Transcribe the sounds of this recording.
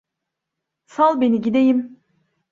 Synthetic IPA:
salˠbe̞niɟid̪ejim

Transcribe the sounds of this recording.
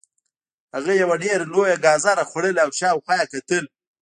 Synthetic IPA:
haɣajawaɖeɾalojaɡɑzɑɾaxwaɽəlawʃɑwxwɑjakat̪əl

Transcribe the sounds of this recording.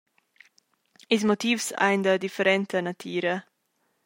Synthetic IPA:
ɪs̬motiːfsa̰ɪnd̪ədifɛɾɛnt̪ʰənat̪ʰiːɾə

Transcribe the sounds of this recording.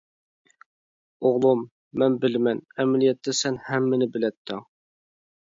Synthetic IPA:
oʁlˠumː | ɛnbɪlmɛnæmælijɛt̪ːɛsɛnhɛmːɪnɪbɪlɛt̪ʰːɪŋ

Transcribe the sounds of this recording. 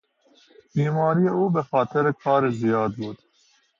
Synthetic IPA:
biːmɑːɾijeuːbɛxɑːt̪ʰɛɾekʰɑːɾezijɑːd̪̚buːt̪

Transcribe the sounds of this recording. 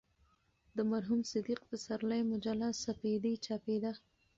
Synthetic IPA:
d̪əmaɾɦumsɪd̪iqpəsaɾlajmʊd͡ʒalasaped̪it͡ʃɑped̪a

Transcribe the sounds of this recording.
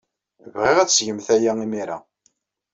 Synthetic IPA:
vʁiʁæt͡sːsʝəmθæjæimiɾa̰

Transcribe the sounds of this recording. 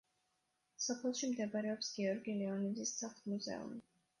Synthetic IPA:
sɔpʰɛlˠʃimd̪ɛbaɾɛɔpsɡ̥iɔɾɡilɛɔnid̪zissʰaχmuzɛ̰ṵmi

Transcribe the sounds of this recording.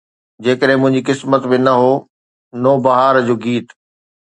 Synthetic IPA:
d͡ʑeːkəɗɦɪ̃mʊ̃ɦɪ̃ɲd͡ʑikɪsmət̪bɪnɐɦoː | noːbɐɦaːɾd͡ʑoːɡiːt̪

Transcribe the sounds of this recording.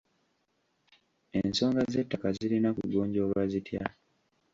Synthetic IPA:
e̞nso̞ːŋɡaze̞tːakazilinakuɟoːɲɟo̞ːlwazitja

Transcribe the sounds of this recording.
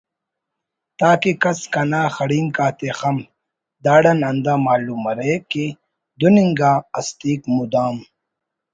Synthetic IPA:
t̪aːkikɐskɐnaːxɐɽiːŋkaːt̪exɐm | d̪aːɽɐnɐnd̪aːmaːluːmɐɾeːki | d̪uniŋɡaːɐst̪iːkmud̪aːm

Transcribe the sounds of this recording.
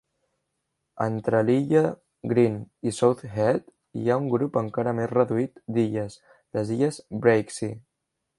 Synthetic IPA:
ənt̪ɾəliʎə | ɡɾinisowθhɛt̪ | ḭauŋɡɾupəŋkaɾəmezrəðuit̪d̪iʎəs | ləziʎəzbɾejksi

